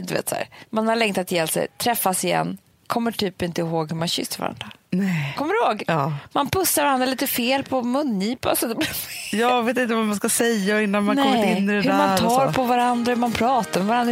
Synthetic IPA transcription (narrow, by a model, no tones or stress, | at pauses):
d̪ɵvḛːt̪sæ̰ːɾmanhaɭɛŋt̪at̪jɛlsɛ̰jt̪ʰɾɛfːasɪjɛ̰nː | kʰɔmːəʈʰyːpɪnt̪əɦoːɡhɵmanɕʏ̰sːəɾva̰ɾa̰nd̪ɾanɛkʰɔmːəɾɪhoːɡɑːmanpɵsːaɾvaɾand̪ɾaliːt̪əfeːlpʰɔmɵnːiːpa̰sɔd̪ɛbjɑːveːt̪ɪnt̪əvamanskasɛjːaɪnːanmannkʰɔmːət̪ːɪnːɪd̪ɛhɵd̪æmant̪ʰɑːɾpʰɔvaɾand̪ɾahɵmanpʰɾɑːt̪aɾmɛvaɾand̪ɾ